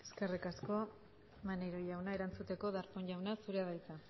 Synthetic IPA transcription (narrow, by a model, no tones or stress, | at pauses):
e̥ske̞rikasko̞ | maneɾoʝawnaeɾant͡sut̪e̞ko̞ðaɾpo̞ɲʝawnasuɾeaðajt͡sa